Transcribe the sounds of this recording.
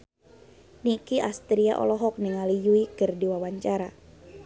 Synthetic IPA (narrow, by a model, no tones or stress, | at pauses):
nikiʔast̪ɾia̰ʔɔ̰lɔɦɔk̚niŋalijuikɨrdiwawaɲt͡ʃaɾa